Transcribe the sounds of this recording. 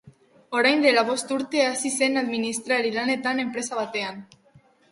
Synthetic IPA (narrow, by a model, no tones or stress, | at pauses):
oɾeɲd̪elaβost̪uɾt̪easisenaðminist̪ɾaelilanet̪anempɾesaβat̪ean